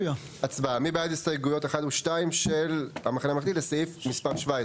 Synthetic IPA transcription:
a | at͡sbaamibejad̪ist̪ajɡujo̞teχadhuʃtaimʃelhamaχaneamaχd̪ileseifmispaʁʃvae

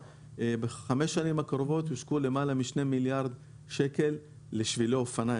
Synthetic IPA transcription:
beχame̞ʃːanimakaɾovo̞t̪hiʃkule̞malamiʃne̞miljaʁd̪ | ʃe̞ke̞lː | eʃviloofana

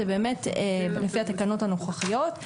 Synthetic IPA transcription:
ebeːmetelefiat̪akano̞thano̞χaχijo̞t

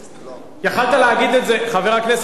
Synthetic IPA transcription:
jaχalt̪aleaɡid̪etzeχave̞ʁaknes

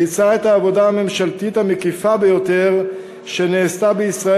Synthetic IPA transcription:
it͡saetaːvo̞daame̞mʃaltithamekifabe̞jo̞te̞ʁ | ʃe̞neːstabeisʁa

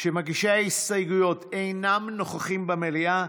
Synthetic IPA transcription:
ʃemaɡiʃaisajɡujo̞t̪ʰejnamno̞χaχimbamelia

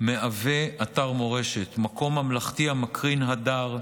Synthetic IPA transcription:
meave̞ataʁmo̞ʁe̞ʃet̪mako̞mamlaχtihamakʁinɦadaʁ

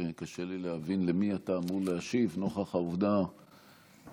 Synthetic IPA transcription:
ekaʃelileavinlemiataːmuʁleaʃivno̞χaχauvd̪a

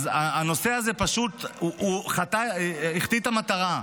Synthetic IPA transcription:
zaːno̞se̞azepaʃut̪uʔuχat̪aiχt̪it̪amat̪aʁa

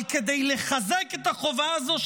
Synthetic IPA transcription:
ked̪ejleχazeket̪aχo̞vaːzo̞ʃ

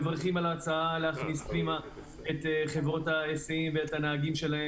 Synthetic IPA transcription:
vaʁχimalat͡saaleaχnisklima | e̞t̪χe̞vʁo̞taesiimveet̪aneaɡimʃe̞lae

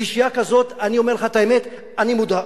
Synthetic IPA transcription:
iʃijakazo̞t̪anio̞meʁleχat̪aemet̪ | animud̪a

